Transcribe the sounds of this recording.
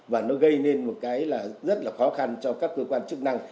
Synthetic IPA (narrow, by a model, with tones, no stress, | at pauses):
vaː˨˩nɔ˨˦ɣə˧jne˧nmo˨˩t̚kaː˨˦jlaː˨˩zə˦˥t̚laː˨˩xɔ˨˦xa˧nt͡ɕɔ˧kaː˦˥kːəː˧kwaː˧nt͡ɕɨ˦˥k̚na˧ŋ